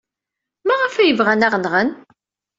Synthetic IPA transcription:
mæʁəfæjəvʁænæʁnʁən

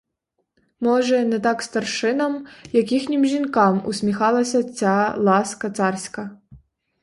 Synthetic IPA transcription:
mɔʒɛnɛt̪ɑkst̪ɐrʃɪnɐmjɐkʲixnʲɪmʒʲinkɑmṵsʲmʲixɑlˠɐsʲɐt͡sʲalˠɑskɐt̪sɑrsʲkɐ

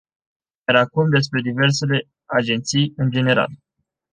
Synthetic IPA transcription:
jeɾakumd̪e̞spɾe̞d̪ive̞rs̬e̞le̞ | ad͡ʒe̞nt̪sijɨnd͡ʒe̞ne̞ɾa̰l

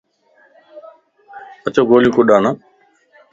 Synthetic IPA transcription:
ət͡ʃoːɡoːljũːkʊɗaːnaː

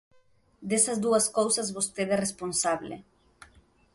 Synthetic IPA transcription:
d̪esɐzd̪uɐskowsɐzβost̪eðɛresponsaβlḛ

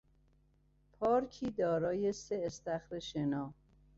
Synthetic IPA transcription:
pʰɒːɾcʰiːd̪ɒːɾɒːjeseːst̪æxɾeʃenɒː

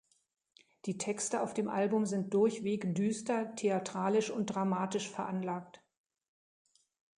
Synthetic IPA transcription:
d̥iːtʰɛkstəaʊfd̥eːmʔalbʊmzɪnt̚d̥ʊɐçv̥eːkdyːstɐtʰeatʁ̥aːlɪʃʊnt̚d̥ʁamaːtɪʃfɛɐʔanlaːk̚t

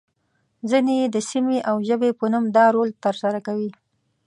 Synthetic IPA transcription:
zineed̪əsimeʔawʒəbepənumd̪ɑɾolt̪əɾsaɾakawi

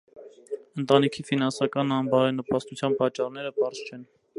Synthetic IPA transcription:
ənt̪ɑnikʰifinɑnsɑkɑnɑmbɑɾɛnəpɑst̪ut͡sʰjɑnpɑt͡ʃːɑrnɛɾəpɑɾzt͡ʃʰɛn

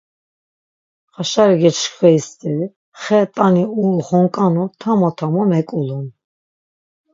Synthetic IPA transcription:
χaʃaɾiɡɛɾʃkʰwɛist̪ʼi | χɛt̪ʼaniulχɔŋkʼanɔt̪ʰamɔt̪ʰamɔmɛkʼulun

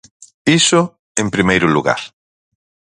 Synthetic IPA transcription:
isʊ | ẽmpɾimejɾʊluɣa̰ɾ

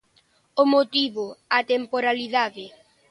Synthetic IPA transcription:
omot̪iβoat̪empoɾaliðaðɪ

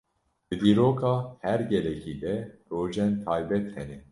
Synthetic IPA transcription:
d̪̥ɨd̪iːɾoːkʰɑːhɛɾɡɛlɛkʰiːd̪ɛroːʒɛnt̪ʰɑːjbɛt̪hɛnɛ

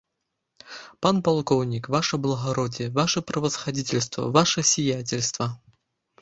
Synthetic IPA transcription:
panpalˠkɔwnʲikvaʂəblˠɐɣaɾɔdʲɪjəvaʂəpɾɐvəsxɐdʲitʲɪlʲst̪və̰vaʂəsʲɪjatʲɪlʲst̪vɐ

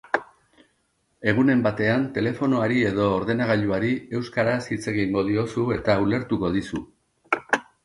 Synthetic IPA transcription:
e̞ɣ̞une̞mbat̪e̞ant̪e̞le̞fo̞no̞aɾie̞ð̞o̞ːɾðe̞naɣ̞aʎuaɾie̞wskaɾasit͡se̞ɣiŋɡo̞ð̞io̞sue̞t̪aule̞ɾt̪uko̞ðisu

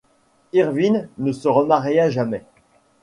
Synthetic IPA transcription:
iʁvinːəsəʁəmaʁjaʒamɛ

